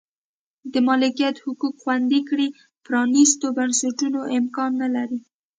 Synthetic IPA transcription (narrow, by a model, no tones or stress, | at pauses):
d̪əmɑlɪkijat̪hʊkukxwand̪ikɽi | pɾɑnist̪obansaʈunoʔɪmkɑnːalaɾi